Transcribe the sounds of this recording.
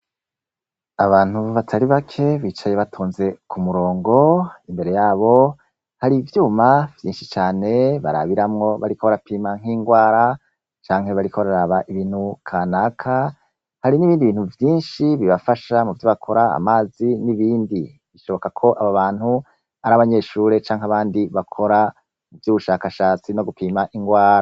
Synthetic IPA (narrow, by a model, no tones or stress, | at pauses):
aβaːn̥huβatʰaɾiβakʰe̞βiːt͡ʃaje̞βatʰoːnze̞kʰumuɾo̞ːŋɡo̞imbe̞ɾe̞jaːβo̞ | haɾivjuːmavjiːnʃi̥t͡ʃaːne̞βa̰ɾa̰βiɾamŋo̞βaɾikʰoβaɾapiːmaŋ̥iːŋɡwaːɾa | t͡ʃaːŋhe̞βaɾikʰoβaɾaɾaːβaʔiβiːn̥hukʰaːnakʰa | haɾiniβiːndiβiːn̥huvjiːnʃiβiβafaʃamuvjoβakʰo̞ɾaa̰maːziniβiːndi | βiʃo̞βo̞kakʰo̞ʔaβaβaːn̥hu | aɾaβaɲe̞ʃuːɾe̞t͡ʃaːŋhaβaːndiβakʰo̞ɾa | muvjuːβuʃakaʃaːt͡sino̞ɡupʰiːmaʔiŋɡwaːɾa